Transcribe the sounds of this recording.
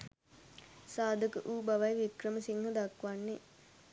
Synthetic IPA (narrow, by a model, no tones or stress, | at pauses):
saːd̪ʱəkəʔuːbaʋajʋikrəməsiŋɦəd̪akʋanːe